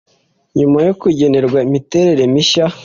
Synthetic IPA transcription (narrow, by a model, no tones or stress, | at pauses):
ɲumajo̞kuɟe̞ne̞ɾɡwaimite̞ɾe̞ɾe̞miʃa